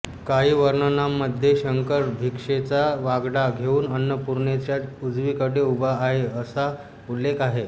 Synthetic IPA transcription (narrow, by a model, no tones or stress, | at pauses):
kaɦiːʋəɾɳənamːəd̪ʱjeɕəŋkəɾbʱikʂet͡saʋaɡɽaɡʱeuːnənːəpuɾɳet͡ɕjat̪ud͡zʋiːkəɽeubaːɦeəsa | ulːekaɦe